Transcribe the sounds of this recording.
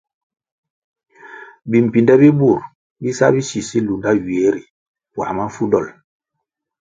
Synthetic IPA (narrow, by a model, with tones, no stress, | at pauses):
bi˨m̩˨pi˨ndɛ˦bi˦bu˦˨ɾ | bi˦sa̰˦bi˦si˨si˦lu˨nda˦ɥi˨e˨˦ɾi˨ | wa̰˨ma˦fu˦dɔ˦˨l